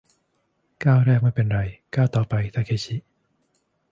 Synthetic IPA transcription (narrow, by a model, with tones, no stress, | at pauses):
kaː˥˩wɾɛː˥˩k̚ma˥˩pe˧nɾa˧jkaː˥˩wt̪ɔː˨˩pa˧jt̪ʰaː˥˩kʰeː˧˥˩t͡ɕʰi˦˥ʔ